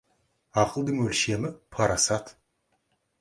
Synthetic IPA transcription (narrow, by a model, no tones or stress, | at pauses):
ɑqəlˠd̪əɴwɵlʃe̞mɪpʰɑɾɑsɑt̪